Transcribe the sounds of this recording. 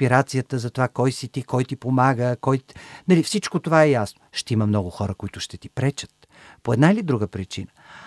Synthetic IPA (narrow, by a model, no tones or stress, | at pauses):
piɾat̪sijət̪əzɐt̪ovakɔjsit̪ikɔjt̪ipomaɡəkɔjnɐlifsit͡ʃkot̪ovaɛjasnoʃt̪ɛiməmnɔɡʊxɔɾəkoit̪ʊʃt̪ɛt̪ipɾɛt͡ʃə̥t̪ | poɛd̪nailid̪ɾuɡəpɾit͡ʃḭnə